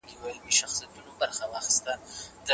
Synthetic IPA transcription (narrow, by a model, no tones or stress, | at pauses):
ɡiwajmeʃaxsijat̪unobaɾxawɑxɪ̥st̪ad̪ə